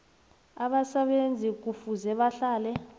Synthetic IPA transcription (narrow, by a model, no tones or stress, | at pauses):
aɓasɛɓend͡zʱik̬ufuzɛɓaɬaːlɛ